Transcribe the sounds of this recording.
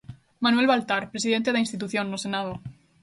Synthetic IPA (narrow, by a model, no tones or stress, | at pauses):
mãnwe̞lβalt̪aɾpɾesiðe̞nt̪eðeinst̪it̪̬uθjõnːosenað̞o